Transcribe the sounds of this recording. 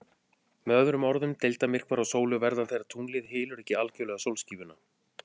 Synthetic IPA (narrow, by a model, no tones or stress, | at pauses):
mœːðɾʏmɔɾðʏmt̪ejlt̪amɪr̥kvaɾawsoːwlʏɣvɛɾðanθejɾat̪ʰuːnlɪðɦɪːlʏɾɛhcɪalcœlɛːɣasowlsciːvʏna